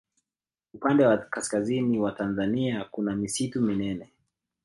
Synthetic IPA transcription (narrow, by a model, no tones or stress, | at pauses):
upandɛwakaskaziniwatanzaniakunamisituminɛnɛ